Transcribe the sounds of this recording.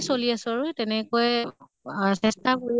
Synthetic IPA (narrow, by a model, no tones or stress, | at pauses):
soliasʊaɹʊtɛnɛkojɛ | sɛstabuɹi